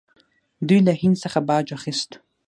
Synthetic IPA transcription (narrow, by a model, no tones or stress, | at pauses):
dujlahinsaχabaːd͡ʒʷaχɪstʼ